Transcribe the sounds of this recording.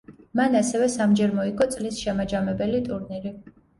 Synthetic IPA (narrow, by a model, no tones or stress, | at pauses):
manasɛvɛsamd͡ʒɛɾmɔikʰɔt̪sʼlisʃɛmad͡ʒamɛbɛlit̪ʼuɾniɾi